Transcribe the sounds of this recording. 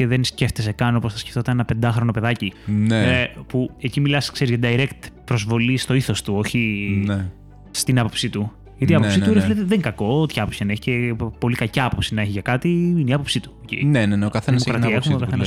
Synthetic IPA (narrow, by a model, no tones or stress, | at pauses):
eðensceft̪es̬ekɐno̞posθɐsce̥ft̪o̞t̪ɐnenɐpend̪ɐxɾono̞pe̞ðɐcinepue̞cimilɐskse̞ɾizʝɐd̪ɐiɾekt̪pɾozvo̞list̪oiθo̞st̪uo̞çine | st̪inɐpo̞psit̪u | ʝɐt̪iɐpopsit̪uɾefleðiðeŋkɐko̞ot̪ʰçɐɐpopsçɐneçi̥cepo̞likɐcɐɐpo̞psinɐeçiʝɐkɐt̪iineiɐpo̞psit̪u̥cḭneneneokɐθeðimokɾɐt̪iɐexumeokɐθenɐs